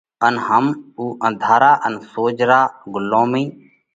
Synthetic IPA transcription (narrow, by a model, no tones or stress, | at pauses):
ənɦəmuːʔə̃nd̪ʱaːɾaːʔənsoːd͡ʒɾaːɡʊlːõːmĩː